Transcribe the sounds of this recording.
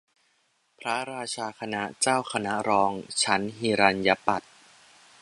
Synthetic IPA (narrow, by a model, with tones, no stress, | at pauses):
pʰɾa˦˥ɾaː˧t͡ɕʰaː˧kʰa˧na˦˥t͡ɕaː˥˩wkʰa˧na˦˥ɾɔː˧ŋt͡ɕʰa˦˥nɦiː˧ɾaː˧nja˦˥pa˨˩t̪̚